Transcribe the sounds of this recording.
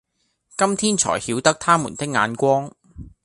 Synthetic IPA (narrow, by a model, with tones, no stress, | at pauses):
kɐ˥mt̪ʰiː˥nt͡ʃʰɔ̰ː˨˩jhiː˨˧wt̪ɐ˥k̚t̪ʰaː˥muː˨˩nt̪ɪ˥k̚ŋa̰ː˨˧nkʷɔː˥ŋ